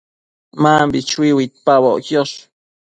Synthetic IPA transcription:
mambit͡ʃwiwit̪̚paboʔkjoʃ

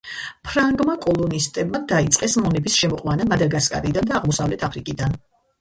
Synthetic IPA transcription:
pʰɾaŋɡmakʼɔlˠɔnist̪ʼɛbmad̪ait̪sʼqʼɛsmɔnɛbisʃɛmɔqʼwanamad̪aɾɡaskʼa̰ɾid̪and̪aːʁmɔsavlɛt̪ʰapʰɾikʼid̪an

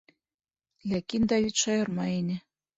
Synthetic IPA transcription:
lʲækind̪ɑβʲit̪ʃɑjɤ̆rmɑenʲɘ̆

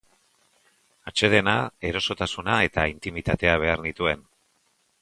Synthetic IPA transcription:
at͡ʃe̞ðe̞nae̞ɾo̞so̞t̪asunae̞t̪aint̪imit̪at̪e̞aβ̞e̞aɾnit̪ue̞n

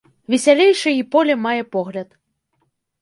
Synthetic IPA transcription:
vʲɛsʲalʲejʂɐipɔlʲɛmajɛpɔɣlʲɐt̪

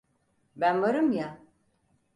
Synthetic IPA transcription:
bænvaɾɯmja

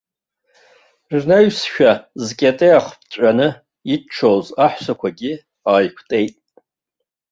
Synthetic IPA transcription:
rnaɥsʃᶣazkʲʼatʼejaχʷpʰt͡ɕʷʼanɨ | iʈ͡ʂʰowzaħsakʷʰaɡʲi | aːjkʷʰtʼe̞jtʼ

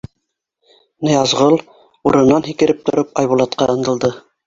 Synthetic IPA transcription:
nɤ̆jɑzʁɤlˠ | uɾɤ̆nːɑnɦikɘ̆ɾɘp̚t̪ʰŏɾɤpɑjβulˠɑt̪̚qɑɤ̆nd̪ɤ̆lˠd̪ɤ

